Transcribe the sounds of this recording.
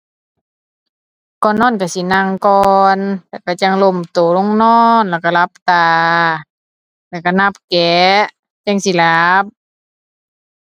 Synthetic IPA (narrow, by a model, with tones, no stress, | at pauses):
kɔː˧˨nːɔː˧˥˨nka˧˩si˧˦na˧˨ŋkɔː˧nlɛ˧˩˨ka˧˩t͡ɕa˧˨ŋlo˧˨mt̪oː˨˦lo˧˥˨ŋnɔː˧˥˩nlɛː˧˩˨wka˧˨la˧˦p̚t̪aː˨˧˩ | lɛː˧˩˨ka˧˩na˧˩p̚kɛː˨˦ʔ | t͡ɕa˧˥˨ŋsi˧˨la˨˦p̚